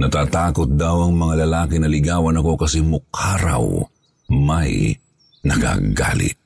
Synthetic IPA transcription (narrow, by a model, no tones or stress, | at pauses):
nɐt̪aːt̪aːkot̪̚d̪awɐŋmɐŋalɐlaːkinɐlɪɡaːwɐnɐko̞kɐsɛmʊkʰaːɾa̰w | ma̰j | nɐka̰ɡa̰ːlɪ̰t̪̚